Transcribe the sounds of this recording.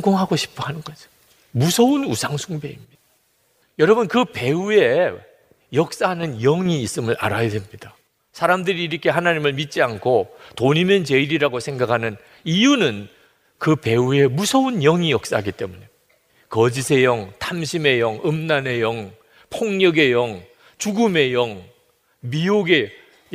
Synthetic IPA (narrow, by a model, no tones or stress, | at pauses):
ŋɡoŋɦaɡoɕʰi̥pʰoɦanɯnɡʌd͡ʑ | musʰʌunusʰaŋsʰuŋbe̞imɲid̥a | jʌɾʌbɯnkɯpe̞ue̞ | jʌk̚s͈aɦanɯnjʌŋiːs͈ɯmɯɭʔa̰ɾajadwemɲid̥a | sʰaɾamdɯɾiːɾʌkʰe̞ɦanaɲimɯɭmit̚t͡ɕ͈iankʰotoɲimjʌnt͡ɕe̞iɾiɾaɡosʰeŋɡakʰanɯn | ijunɯn | kɯpe̞ue̞musʰʌunjʌŋijʌk̚s͈aɦaɡit͈e̞muɲe̞ | kʌd͡ʑisʰe̞jʌŋtʰamɕʰime̞jʌŋɯmnane̞jʌŋ | pʰoŋɲʌɡe̞jʌŋ | t͡ɕuɡume̞jʌŋ | mioɡe̞